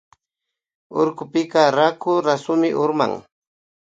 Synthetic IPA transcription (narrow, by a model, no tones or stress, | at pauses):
o̰ɾkʊpɪkaɾakʊɾasʊmɪʔʊɾma̰ŋ